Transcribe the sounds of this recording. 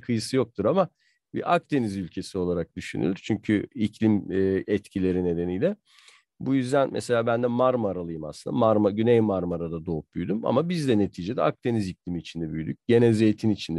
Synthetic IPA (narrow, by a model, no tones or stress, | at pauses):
kʰɯjɯsɯjo̞k̚t̪ʰuɾama | bḭʔak̚t̪ʰe̞nizylʲcʰe̞sio̞lˠaɾak̚d̪yʃy̰ny̰lʲyɾt͡ʃʰyɲcʰyicʰlʲimːɛt̪cʰilʲe̞ɾine̞d̪e̞nijlʲɛ | bujyzd̪ænmɛ̰se̞lʲaːbænd̪ɛmaɾmaɾalˠɯjɯmasɯnd̪amaɾmaɟynejmaɾmaɾad̪ad̪o̞ːup̚byjd̪yma̰mabizd̪ɛne̞t̪ʰiːd͡ʒe̞d̪ɛ̰ak̚t̪ʰe̞niziclʲimiːt͡ʃʰind̪ɛbyjd̪yc̚ʲɟ̥e̞nezejt̪ʰinit͡ʃʰind̪ɛ